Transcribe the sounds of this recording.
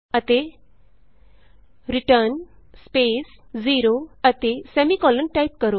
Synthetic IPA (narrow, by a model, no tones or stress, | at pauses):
ət̪e | ɾiʈəɾn | spesd͡ziɾoət̪esɛmikɔlənʈaip̚kəɾo